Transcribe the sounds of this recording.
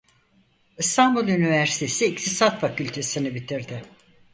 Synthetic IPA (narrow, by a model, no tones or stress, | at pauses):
ist̪ʰambulˠynivæɾsi̥t̪ʰe̞siːct̪ʰisat̪facylʲt̪ʰe̞sinibit̪ʰiɾd̪ɪ